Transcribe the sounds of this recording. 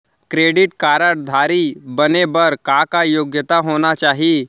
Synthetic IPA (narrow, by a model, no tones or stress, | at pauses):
kɾeɽiʈkaɾaʈ̚d̪ʱaɾiːbənebəɾkakajoɡjət̪aɦoñat͡ɕaɦi